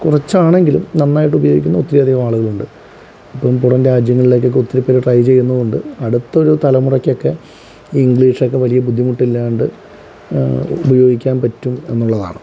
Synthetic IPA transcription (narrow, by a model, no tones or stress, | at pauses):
kurɐt͡ɕːaːɳe̞ŋɡilumnɐnːaːjiʈːubɐjo̞ːɡikʲːunːɐot̪ːiɾijɐd̪ʱiɣɐmaːɭuɣɐɭuɳɖɨ | ipːɐmpuɽɐnɾaːd͡ʑjɐŋːɐɭile̞kːok̬ːeot̪ːiɾipːɐɾɐʈrɐjt͡ɕe̞jːunːɐðuɳɖɨɐɽut̪ːɐo̞ɾut̪ɐlɐmurɐkʲːo̞kːe̞ | iŋɡɭiːʂo̞kːe̞ʋɐlijɐbud̪ʱːimuʈːilːauɳɖɨ | ubɐjo̞ːɡikʲːaːnpɐtːume̞nːuɭːɐða̰ːɳɨ